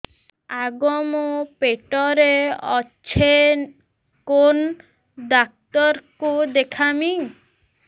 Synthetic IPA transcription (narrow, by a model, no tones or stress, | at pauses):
aɡɔmopeʈɔɾeɔt͡ʃʰe | kon | ɖak̚t̪ɔɾkud̪ekʰami